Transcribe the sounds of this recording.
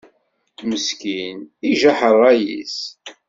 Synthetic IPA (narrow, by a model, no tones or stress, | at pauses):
məskiniʒaħərˤːæjḭs